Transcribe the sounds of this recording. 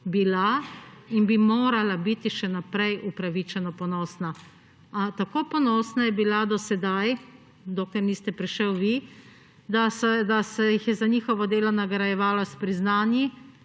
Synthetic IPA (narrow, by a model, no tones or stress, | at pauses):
bilainbimoːɾalabit̪iʃɛnapɾɛjʔupɾaʋit͡ʃɛnɔpɔnɔːsna | t̪akoːpɔnɔːsnajɛbilad̪ɔsɛd̪aj | d̪oːklɛɾnist̪ɛpɾiʃɛwʋi | d̪ad̪asɛjixjɛzanixɔʋɔd̪eːlɔnaɡɾajɛʋaːlɔspɾiznaːnji